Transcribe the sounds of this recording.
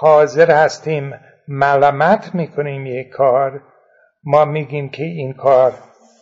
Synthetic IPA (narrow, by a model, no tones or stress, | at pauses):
hɒːzeɾhæst̪iːmː | ælæmæt̪ʰmiːkʰoniːmjekʰːɒːɾ | mɒːmiːɡiːmkʰeiːnkʰɒːɾ